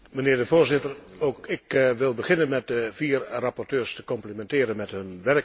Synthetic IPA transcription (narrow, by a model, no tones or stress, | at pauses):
mənɪːrdəvoːrzɪtərokɪkʋɪlˠbəχɪnənmɛt̚dəviːrrapɔrtøːrstə̥kɔmplimɛntɪːəɾənmɛthɵnʋɛrək̚